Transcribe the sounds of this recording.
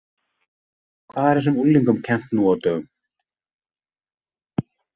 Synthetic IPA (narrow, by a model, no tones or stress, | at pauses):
kʰvaðɛɾ̥hɛs̬ʏmulːiŋkʏmcʰɛn̥t̪nuawt̪œːɣʏm